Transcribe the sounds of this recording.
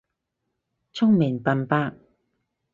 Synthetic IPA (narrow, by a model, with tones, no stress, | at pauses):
t͡sʰʊ˥ŋmɪ˨˩ŋpɐ˨npaː˧k